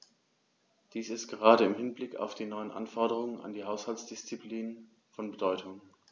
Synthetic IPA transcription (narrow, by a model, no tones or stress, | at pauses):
d̥iːsɪstɡ̥əʁ̞aːɾəɪmhɪnblɪka̰ʊfd̥iːnɔʏənʔa̰nfɔɐɾəʁ̞ʊŋəna̰ndiːɦaʊshaltsd̥ɪst͡sipliːn | fɔnbədɔʏtʰʊŋ